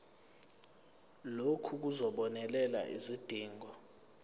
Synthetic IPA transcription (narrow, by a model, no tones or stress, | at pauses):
lokʰuk̬uzɔɓɔnɛlɛla̰ʔḭzid̥ʱiːŋɡʱɔ